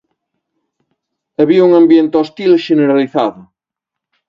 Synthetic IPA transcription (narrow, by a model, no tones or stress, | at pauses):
ɐβiuŋambjent̪ɔst̪ilʃeneɾaliθaðʊ